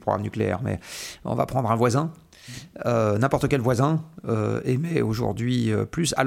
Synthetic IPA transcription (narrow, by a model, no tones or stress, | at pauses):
pχɔɡʁa̰mnykleɛ̰ʁmɛ̰ɔ̰̃va̰pχɑ̃d̪ʁɛ̃vwazɛ̃ | ønɛ̃pɔʁt̪əkʲɛlvwazɛ̃øemɛoʒṵʁd̪ɥiøplysa̰l